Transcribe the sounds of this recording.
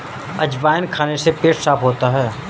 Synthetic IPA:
ɐ̰d͡ʒbaːjɪnkʰaːnesepeːʈsaːpɦoːt̪aɦɛː

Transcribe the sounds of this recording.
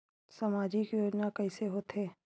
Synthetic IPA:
samaːd͡ʒikjoːd͡ʒnakɐiseɦoːt̪ɦeː

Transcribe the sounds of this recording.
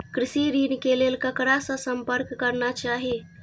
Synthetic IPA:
kɾɪsiɾinkelelkəkɾasə̃səmpəɾkːəɾnat͡ʃaːɦie

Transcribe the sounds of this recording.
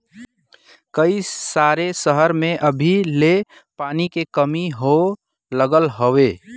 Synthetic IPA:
kəisaɾesəɦəɾmeʔəbʱile | paːnikekəmiɦo | ləɡəlɦowe

